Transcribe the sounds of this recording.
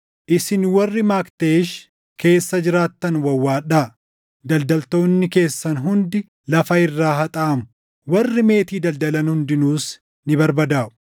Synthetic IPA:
ʔɪsɪnwɐrːɪmaːkt̪eːʃ | kʰe̞ːsːɐd͡ʒɪɾaːt̪ːɐnwɐwːaːᶑaː | d̪ɐld̪ɐlt̪o̞ːnːɪke̞ːsːɐnɦʊnd̪ɪ | lɐfɐɪrːaːɦɐt̪ʼɐʔɐmʊ | wɐrːɪme̞ːt̪iːd̪ɐld̪ɐlɐnhʊnd̪ɪnuːs | nɪbɐɾbɐd̪aːʔʊ̥

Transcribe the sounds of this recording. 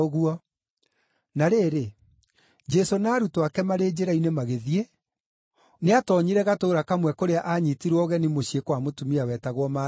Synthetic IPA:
ɣuɔ | naɾeːɾe | d͡ʒɛsonaːɾutowakɛmaɾeːd͡ʒeɾainemaɣeðie | neatɔɲiɾɛɣatoːɾakamwɛkoɾeaʔaɲitiɾwɔɣɛnimoɕiekwamotumiawɛːtaɣwɔma

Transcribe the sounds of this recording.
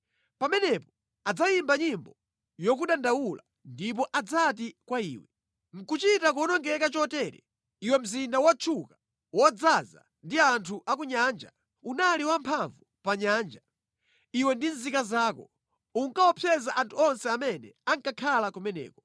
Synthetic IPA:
pamɛnɛpɔ | ad͡zajimbaɲimbɔ | jɔk̬uɗandawula | ndip̬ɔʔad͡zat̬ikwaḭːwɛ | ŋ̩kut͡ʃitak̬uɔnɔŋɡɛkat͡ʃɔtɛɾɛ̰ | iwɛm̩zindawat͡ʃʰuka | wɔd͡zaza̰ | ndiantʰuʔak̬uɲaːnd͡ʒa̰ | unaliwampʰaɱvupaɲaːnd͡ʒa | iwɛndinzikazaːkɔ | uŋkaɔpʰjɛzaʔantʰuɔnsɛamɛnɛaŋkakʰalakumɛnɛ̰ːkɔ̥

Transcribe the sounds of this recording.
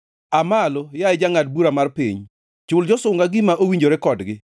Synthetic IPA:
amalojaɛd͡ʒaŋad̚buɾamarpiɲ | t͡ʃʊld͡ʒɔsʊŋɡaɡɪmaʔowiɲd͡ʒoɾɛkɔdɡɪ

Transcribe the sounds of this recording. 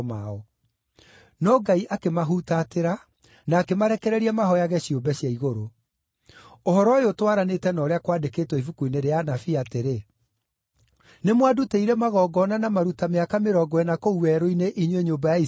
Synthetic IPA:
maɔ | nɔɡaiʔakemaɦutateɾa | naːkemaɾɛkɛɾɛɾiɛmaɦɔjaɣɛɕiombɛɕjaiɣoɾo | ohɔɾɔeotwaɾanetɛnɔɾeakwaːdeketwɛivukuineɾeanafiateɾe | nemwaduteiɾɛmaɣɔːɡɔnanamaɾutameakameɾɔɡɔɛnakouwɛɾoineʔiɲweɲoːmbajai

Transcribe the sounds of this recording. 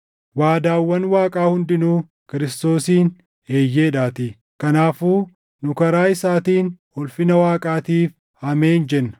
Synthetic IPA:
waːd̪aːwːɐnwaːkʼaːhʊnd̪ɪnuː | kɪɾɪst̪o̞ːsiːn | e̞ːjːe̞ːᶑaːt̪ɪ | kɐnaːfuː | nʊkɐɾaːɪsaːt̪iːnhɔlfɪnɐwaːkʼaːt̪iːf | hɐmeːnd͡ʒɛnːɐ̥

